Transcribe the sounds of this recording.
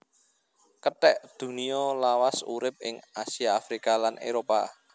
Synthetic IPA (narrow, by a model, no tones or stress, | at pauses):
kətɛʔd̪̥ṳniɔlawasṵɾɪp̚ɪ̰ŋasiaːfɾikalanʔḛɾopa